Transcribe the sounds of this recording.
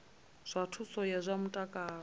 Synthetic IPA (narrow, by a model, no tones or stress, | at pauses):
z̥ʷatʰusɔjazʷamutʼakʼaː